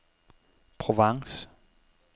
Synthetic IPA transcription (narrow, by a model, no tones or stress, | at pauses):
pʰʁoʋɑŋs